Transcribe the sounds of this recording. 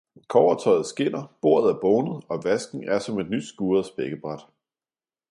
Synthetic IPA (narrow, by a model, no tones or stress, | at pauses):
kʰɒʊɐt͡sʰɒ̽ɪð̞̩ˠsɡ̥e̝n̰ɐb̥o̝ɐ̰ð̞̩ˠæɐb̥ɔʊnəð̩ˠɒ̽ʋæsɡ̥n̩æɐsɒ̽me̝d̥nyd̥sɡ̥uːɐðˠsb̥eɡ̥əb̥ʁɑd̥